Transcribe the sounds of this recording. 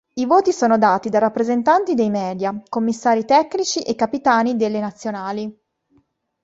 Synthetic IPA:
ivoːt̪isoːnod̪aːt̪id̪arapːɾezent̪ant̪id̪ejmɛːd̪jakomːisːaːɾit̪ɛkːnit͡ʃiʔekːapit̪aːnid̪elːenat̪sːjonaːli

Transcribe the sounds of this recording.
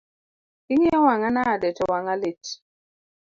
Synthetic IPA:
iŋawaŋanadɛt͡ʃɔwaŋalɪt͡ʃ

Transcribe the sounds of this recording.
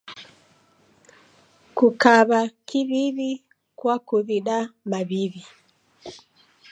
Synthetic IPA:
kukaβakiβiβi | kwakuðiɗamaβiβi

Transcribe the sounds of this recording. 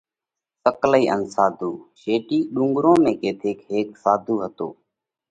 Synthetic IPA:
səkləiːʔənsaːd̪ʱuːʃeːʈiːɗũːŋɡɾõːmẽːkeːt̪ʰeːkɦeːksaːd̪ʱuːɦət̪o̰ː

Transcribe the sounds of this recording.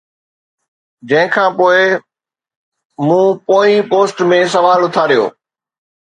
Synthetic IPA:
d͡ʑɐ̃ɦɪ̃kʰãːpoːɪ | mũːpoːĩpoːsʈmẽs̬ɐʋaːlʊt̪ʰaɾijo̰ː

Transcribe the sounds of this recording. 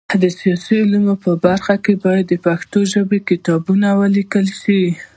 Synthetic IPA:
d̪əsijɑsiʊlumopəbaɾxakebɑjad̪ːəpaxt̪oʒəbekɪt̪ɑbunawəlikəlʃi

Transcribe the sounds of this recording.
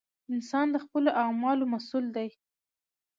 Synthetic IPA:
ɪnsɑnd̪əxpəloʔamɑlomasuld̪aj

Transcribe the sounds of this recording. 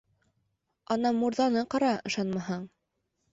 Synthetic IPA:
ɑnɑmuɾðɑnɤqɑɾɑɤ̆ʃɑnmɑɦɑɴ

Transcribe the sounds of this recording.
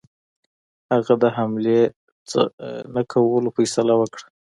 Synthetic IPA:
haɣad̪əɦamle | t͡sə̰nakʰawəlofajsalawəkɽḁ

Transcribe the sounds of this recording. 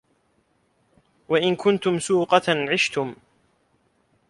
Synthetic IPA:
waʔɪnkʊnt̪ʊmsuːqɑʕɪʃt̪ʊm

